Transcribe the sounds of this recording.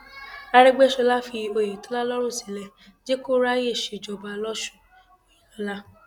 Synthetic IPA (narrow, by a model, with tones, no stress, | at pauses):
a˧ɾɛ˦ɡ͡be˦ʃɔ˧la˦fi˧o˧˨je˨tɔ˨˦la˦lɔ˦ɾõ˦˨si˨lɛ˧ | d͡ʒe˦ko˦ɾa˦je˦˨ʃe˨d͡ʒɔ˨ba˧lɔ˦ʃũ̥˦˨ | i˨lɔ˨˦la˦